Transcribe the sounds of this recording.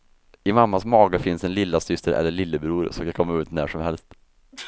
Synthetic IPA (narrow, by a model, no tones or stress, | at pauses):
ɪmamːasmɑːɡəfɪnsɛnlɪlːasʏst̪əɾʔɛ̰lːəɭɪlːəbɾuːɾsɔkakʰɔmːaʉːt̪næ̰ʂɔmhɛlst̪